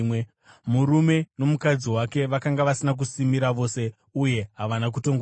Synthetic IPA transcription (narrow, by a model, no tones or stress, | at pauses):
muɾume̞no̞mukad͡ziwake̞ʋakaŋɡaʋasinak̬usimiɾaʋo̞se̞ | uje̞ɦaʋanak̬uto̞ŋɡ